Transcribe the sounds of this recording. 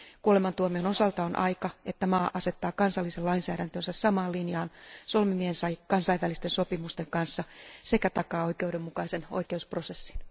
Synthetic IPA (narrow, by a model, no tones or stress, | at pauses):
kuolemɑnt̪uomiono̞sɑlt̪ɑonʔɑ̰jkɑʔe̞t̪ːæmɑːʔɑset̪ːɑːkɑnsɑlːiselɑinsæːɾænt̪ønsæssɑmɑːlinjɑːnso̞lmimiehensɑjkɑnsɑiʋælist̪enso̞pimust̪e̞ŋkɑnsːɑsekæt̪ɑkɑːo̞ikeudemːukɑise̞no̰jkeuspro̞se̞sːi̥n